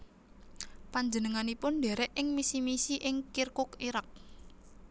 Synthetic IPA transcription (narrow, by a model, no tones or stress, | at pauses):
paɲd͡ʒənəŋanipʊnɖeɾɛʔɪŋmisimisiʔɪŋkirkʊkiɾak̚